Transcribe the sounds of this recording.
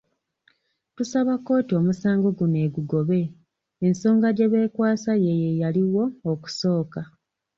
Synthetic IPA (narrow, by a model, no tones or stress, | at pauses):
tusaβako̞ːtio̞musaːŋɡo̞ɡune̞ːɡuɡo̞βe̞ː | nso̞ːŋɡaɟe̞βe̞ːkwaːsaje̞jejaliwo̞ːku̥so̞ːka